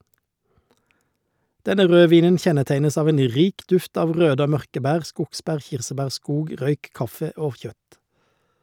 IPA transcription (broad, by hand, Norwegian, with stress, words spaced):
ˈdɛnə ˈʁøːˌʋiːnən ˈçɛnəˌtæɪnəs ˈɑːʋ ˈeːn ˈʁiːk ˈdʉft ˈɑːʋ ˈʁøːdə ˈoː ˈmœʁkə ˈbæːʁ ˈskʊɡˌsbæːʁ ˈçɪʁsəˌbæːʁ ˈskuːɡ ˈʁœʏk ˈkɑfə ˈoː ˈçœt